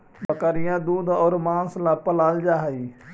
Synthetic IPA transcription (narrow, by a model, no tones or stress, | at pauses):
bəkaɾɪjãːd̪uːd̪ɔːɾmãːnslaːpəlaːld͡ʒaːɦəiː